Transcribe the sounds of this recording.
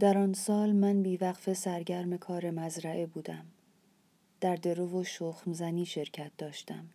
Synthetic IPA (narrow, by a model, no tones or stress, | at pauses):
d̪̥æɾɒːnsɒːlmænbiːvæqfe̞sæɾɟæɾme̞kʰɒːɾe̞mæzɾæʔebuːd̪æm | d̪̥æɾd̪e̞ɾovoʃoːxmzæniːʃe̞ɾcʰæt̪̚d̪̥ɒːʃt̪æm